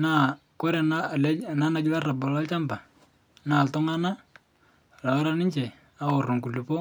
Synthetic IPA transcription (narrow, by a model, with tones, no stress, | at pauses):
na˦˨ko˦ɾɛ˨na˦˨lɛ˦na˦na˨ɡɪ˦la˦ra˨bɔ˨la˦lt͡ʃa˦mba˨ | na˨tɔ˦ŋa˦na˦ | ra˨a˦ɾa˦nɪ˦ɲt͡ʃɛ˨ | a˦o˨ru˨ŋku˨lu˨po˦